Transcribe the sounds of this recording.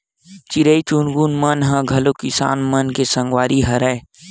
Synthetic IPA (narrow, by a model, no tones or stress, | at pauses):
t͡ʃiɾəit͡ʃunɡuːnmənɦɐ̃ɡʱɐlokɪsa̰ːnmənkesɐ̃ŋɡwaːɾiɦɐɾəe